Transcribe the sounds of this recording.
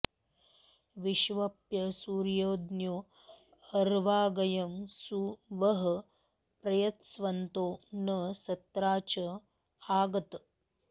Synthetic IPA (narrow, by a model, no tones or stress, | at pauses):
ʋiʃʋɐpjɐsuːɾjoːd̪njoː | ɐɾʋaːɡɐjɐmsuʋɐɦɐ | pɾɐjɐt̪sʋɐnt̪oːnɐsɐt̪ɾaːt͡ʃɐ | aːɡɐt̪